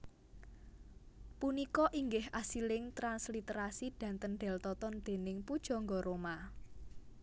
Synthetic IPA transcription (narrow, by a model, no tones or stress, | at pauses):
punikɔʔiŋɡɪhʔasilɪŋt̪ɾanslit̪ɾasid̪̥ä̤nt̪ənɖ̥ɛ̤lt̪ɔt̪ɔnd̪̥e̤nɪŋpud̥ʒ̥ɔ̤ŋɡɔɾoma